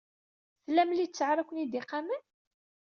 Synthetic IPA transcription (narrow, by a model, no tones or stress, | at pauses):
θlːæmlit͡sːəʕɾˤækʷənid̪iqːamən